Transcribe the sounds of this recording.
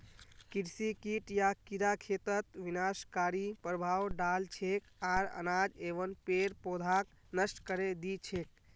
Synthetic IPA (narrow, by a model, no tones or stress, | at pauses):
kiɾsikiʈjakiɾakʰet̪ət̪ʋinaskaɾipɾəbʱawɖalt͡ʃʰekaɾə̰nad͡ʒeʋənpeɾpod̪ʱak | nəsʈkəɾed̪it͡ʃʰek̚